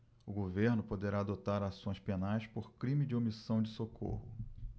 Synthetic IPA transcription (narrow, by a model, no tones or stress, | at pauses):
ʊɡoveɾnʊpod̪eɾaːd̪ot̪aɾasõj̃spenajspoɾkɾĩmɪd͡ʒɪomisɐ̃w̃d͡ʒɪsokʰo̰hʊ